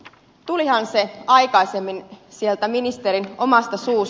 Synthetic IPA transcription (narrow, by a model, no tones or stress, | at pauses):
t̪ulihɑnse̞ɑjkɑjse̞mːinsie̞lt̪æminist̪e̞ɾino̞mɑst̪ɑsuːs